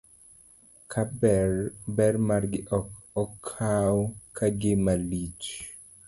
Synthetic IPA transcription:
kʰabɛrbɛrmarɡɪʔɔkɔkʰawkʰaɡɪmalit͡ʃ

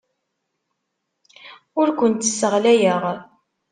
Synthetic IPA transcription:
ʊɾkʷənt̪sːəʁlæjəʁ

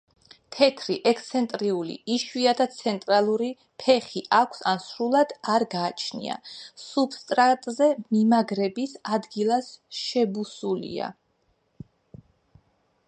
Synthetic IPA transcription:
t̪ʰɛt̪ʰɾiʔɛkʰt̪sʰɛnt̪ʼɾiulḭiʃwiad̪at̪sʰɛnt̪ʼɾalˠuɾi | pʰɛχiʔakʷʰsa̰nsɾulˠad̪̥aɾɡaːt͡ʃʰnḭa̰sub̥st̪ʼɾat̪ʼzɛmimaɡɾɛbisad̪ɡilˠasʃɛbusulḭa̰

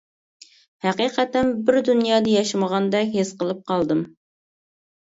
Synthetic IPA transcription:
hæqiːqɛt̪ɛnbɪɾd̪unjɑːd̪ɨjɑʃɪməʁɑnd̪ɛkʲɦesqəlˠɨp̚qʰɑlˠd̪ɨm

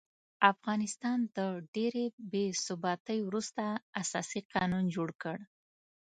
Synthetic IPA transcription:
afɣɑnɪst̪ɑnd̪əɖeɾebesʊbɑt̪əjwɾust̪aasɑ̰siqɑnund͡ʒoɽkəɽ

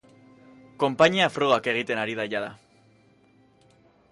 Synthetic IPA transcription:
ko̞mpaɲiafɾoɣ̞ake̞ɣ̞it̪e̞naɾiðaʎaða

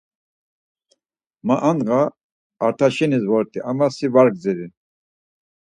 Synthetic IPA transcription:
maʔand̪ʁa | aɾt̪ʰaʃɛnizvɔɾt̪ʼiʔamasivaɾɡ̚d͡zɛɾi

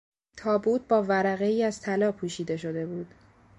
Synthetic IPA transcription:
t̪ʰɒːbuːt̪̚ʰbɒːvæɾæɣe̞iːæzt̪ʰælɒːpʰuːʃiːd̪e̞ʃo̞d̪e̞buːd̪̥

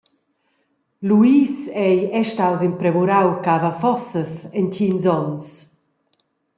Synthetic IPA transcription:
luiːsɛjɛʃtawzimpɾɛvuɾawkavafɔsəsɛnt͡ɕinzɔns

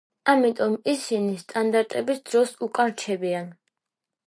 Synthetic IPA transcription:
amit̪ʼɔmisinist̪ʼand̪aɾt̪ʼɛbisd̪ɾɔsukʼaɾt͡ʃʰɛbian

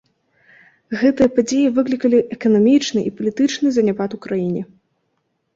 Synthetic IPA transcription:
ɣɛt̪ɨjɐpad͡zʲejivɨklʲikɐlʲiʔɛkɐnamʲit͡ʂnɨʔipɐlʲit̪ɨt͡ʂnɨzɐnʲapat̪ukɾajinʲi

